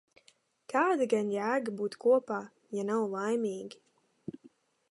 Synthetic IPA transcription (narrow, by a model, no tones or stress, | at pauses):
kʰaːd̪aɡanjæːɡabuːt̪kuɔpaː | janawlˠajmʲiːɡʲi